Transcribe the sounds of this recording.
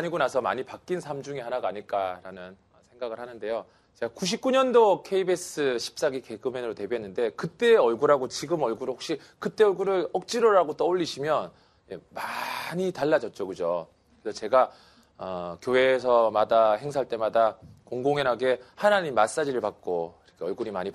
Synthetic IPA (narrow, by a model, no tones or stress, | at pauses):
aɲiɡonasʰʌma̰ɲipak͈insʰamd͡ʑuŋihanaɡaːɲiɭk͈aɾanɯn | ʌsʰe̞ŋɡaɡɯɭhanɯnde̞jo | t͡ɕe̞ɡakuɕ̬ʰip̚k͈uɲʌndokʰe̞ibes͈ɯɕʰi̥p̚s͈aɡike̞ɡɯmenɯɾote̞biɦenːɯnde̞kɯt͈e̞ʌɭɡuɾaɡot͡ɕiɡɯmʌɭɡuɾɯhok̚ɕ͈i | kɯt͈e̞ʌɭɡuɾɯɭʌk̚t͡ɕ͈iɾoɾaɡot͈ʌoʎːiɕʰimjʌn | jemaɲitaɭːad͡ʑʌt̚t͡ɕ͈okɯd͡ʑo | kkɯɾesʰʌt͡ɕe̞ɡa | ʌkjowe̞ːsʰʌmadahe̞ŋsʰaɭt͈e̞madakoŋɡoŋenɦaɡe̞hanaɲimːas͈ad͡ʑiɾɯɭpak̚k͈oiɾʌkʰe̞ʌɭɡuɾimaɲip